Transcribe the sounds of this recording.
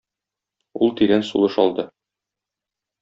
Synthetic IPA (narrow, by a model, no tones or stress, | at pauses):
ulˠt̪iɾænsṵlˠɤʃɒlˠd̪ɤ